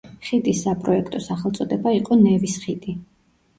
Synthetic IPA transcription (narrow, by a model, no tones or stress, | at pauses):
χit̪ʼisːapʼɾɔɛkʰt̪ʼɔsaχɛlˠt̪sʼɔd̪ɛbaiqʼɔnɛvisχit̪ʼi